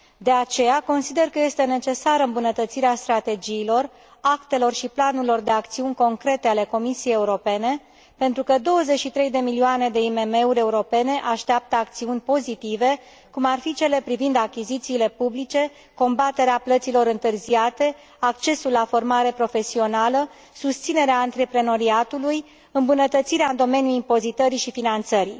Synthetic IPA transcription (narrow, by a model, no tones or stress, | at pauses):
d̪e̞at͡ʃe̞jako̞nsid̪e̞rkəje̞st̪e̞ne̞t͡ʃe̞saɾɨmbunət̪ət̪siɾeast̪ɾat̪e̞d͡ʒiːlo̞r | akt̪e̞lo̞rʃiplanuilo̞rd̪e̞ak̚t̪siunʲko̞ŋkɾe̞t̪e̞ale̞ko̞misijejeuɾo̞pe̞ne̞ | pe̞nt̪ɾukəd̪o̞wəzet͡ʃʃit̪ɾe̞jd̪e̞milioane̞d̪e̞ime̞me̞uɾʲe̞uɾo̞pe̞ne̞ʔaʃt̪eap̚t̪əakt̪siunʲpo̞zit̪ive̞ | kumarfit͡ʃe̞le̞pɾivind̪akʲizit̪siːle̞publit͡ʃe̞ | ko̞mbat̪e̞ɾeaplət̪silo̞ɾɨnt̪ɨrziat̪e̞ | ak̚t͡ʃe̞sulːafo̞rmaɾe̞pɾo̞fe̞sio̞nalə | sust̪sine̞ɾeaɨnt̪ɾe̞pɾe̞no̞ɾiat̪uluj | ɨmbunət̪ət̪siɾeaɨnd̪o̞me̞njuimpo̞zit̪əɾiʃifinant̪səɾi